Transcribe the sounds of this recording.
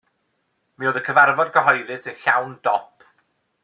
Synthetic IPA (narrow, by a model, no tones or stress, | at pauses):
mioːðəkʰəvarvɔdɡəɦɔjɾɨsənɬawndɔpʰ